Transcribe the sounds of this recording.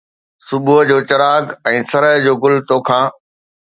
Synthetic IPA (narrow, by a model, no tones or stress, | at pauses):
sʊbuɦəd͡ʑoːt͡ɕɐɾaːɡɛ̃ːsɐɾəɦd͡ʑoːɡʊlt̪oːkʰãː